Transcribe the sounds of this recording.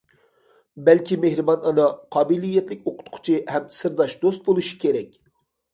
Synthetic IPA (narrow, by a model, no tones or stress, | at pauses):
bɛlkʲʰimehɾɨbɑnɑnɑqʰɑːbilijɛt̪lɪkʲoqʰʊ̥t̪qʰʊ̥t͡ʃʰihɛmsɨɾd̪ɑʃd̪ost̪̚bolˠuʃi̥kʲeɾɛkʲ